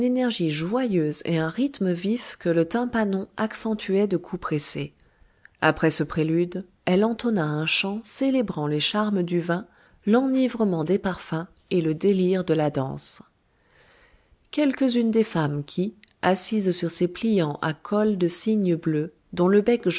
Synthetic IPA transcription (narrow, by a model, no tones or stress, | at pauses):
ynenɛʁʒiʒwajøzḛɛ̃ʁit̪məvifkələt̪ɛ̃panɔ̃aksɑ̃t̪ʰyɛd̪əkʰupχese | a̰pχɛsəpχelyd̪ | ɛlɑ̃t̪ɔnaɛ̃ʃɑ̃selebʁɑ̃leʃaʁməd̪yvɛ̃ | lɑ̃nivʁəmɑ̃d̪epaʁfɛ̃ | eləd̪eliʁd̪əlad̪ɑ̰̃s | kʲɛlkəzynd̪efamkʲʰiasizsyʁseplijɑ̃ʔa̰kʰɔld̪əsiɲəblø | d̪ɔ̃ləbɛk